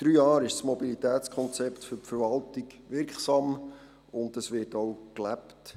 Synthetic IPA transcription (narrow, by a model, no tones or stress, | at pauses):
d̥ɾyːjɑːɾɪʃsmɔbilit̪æːtt͡skʰɔnt͡sɛptfɵɾpfəɾʋɑltɪk | ʋɪɾkχsɑm | ʊndəsʋɪtowklæpt